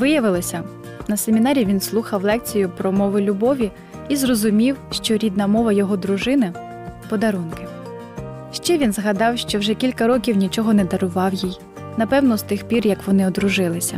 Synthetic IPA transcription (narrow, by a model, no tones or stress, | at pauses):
ʋɪjɐʋɪlˠɔsʲɐ | nɐsemʲinɑɾʲiʋʲinslˠuxɐwlˠɛk̚t͡sʲijʊpɾɔmɔʋɪlʲʊbɔʋʲi | izrɔzʊmʲiwʃt͡ʃɔɾʲid̪nɐmɔʋɐjɔɦɔd̪ɾʊʒɪnɪ | pɔd̪ɐɾunkɪ | ʃt͡ʃɛʋʲinzɦɐd̪ɑwʃt͡ʃɔwʒɛkʲilʲkɐɾɔkʲiwnʲit͡ʃɔɦɔnɛd̪ɐɾʊʋɑwjij | nɐpɛwnɔst̪ɪxpʲirjɐkʋɔnɪɔd̪ɾʊʒɪlˠɪsʲɐ